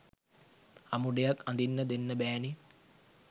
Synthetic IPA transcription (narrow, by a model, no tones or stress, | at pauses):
ɐmuɖejɐkːɐnd̪inːɐd̪enːɐbɛːni